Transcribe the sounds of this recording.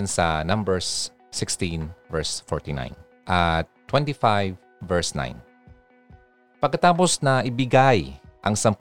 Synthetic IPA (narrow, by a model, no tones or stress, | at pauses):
nsɐ̰nɐ̃mbɛɹsː | ɪkst̪invɛɹsfɔɹt̪ina̰ɪn | ʔɐt̪ːwɛ̃nt̪ifajvː | ɛɹsna̰j̃n | pɐɡkɐt̪aːp̬osnɐʔɪbɪɡajʔɐŋsɐmp